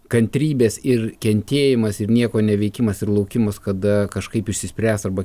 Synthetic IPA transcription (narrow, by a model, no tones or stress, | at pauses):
kɐnʲt̪ʲɾʲiːbʲeːsɪrkʲɛnʲt̪ʲeːjjɪmɐsɪɾnʲiɛkoːnʲɛʋʲɛɪkʲɪmɐsɪrlˠɐʊkʲɪmɐskɐd̪ɐkɐʃkɐɪpɪʃʲsʲɪsʲpʲɾʲæːsɐrbɐ